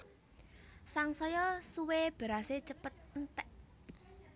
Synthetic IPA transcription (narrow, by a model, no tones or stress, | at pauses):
saŋsɔjɔsuweb̥a̤ɾaset͡ʃəpət̪̚nt̪ɛʔ